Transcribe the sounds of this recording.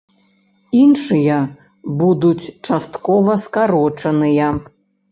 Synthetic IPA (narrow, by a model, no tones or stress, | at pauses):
inʂɨjɐ | bud̪ut͡sʲt͡ʂast̪kɔvɐskaɾɔt͡ʂɐnɨjɐ